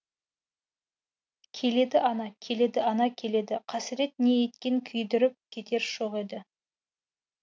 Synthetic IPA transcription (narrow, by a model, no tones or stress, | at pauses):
kʲʰe̞le̞d̪ɪʔɑnɑkʲʰe̞le̞d̪ɪɑnɑkʲʰe̞le̞d̪ɪqʰɑsɪɾe̞t̪̚ne̞jet̪kʲe̞ŋkʲʰʏjd̪ɪɾɪp̚kʲʰe̞t̪e̞ɾʃoʁe̞d̪ɪ